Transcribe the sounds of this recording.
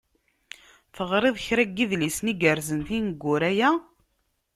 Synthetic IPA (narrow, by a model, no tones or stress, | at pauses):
θəʁɾeðˤçɾæɡːiðlisniɡəɾzənθinəɡːʊɾæjæ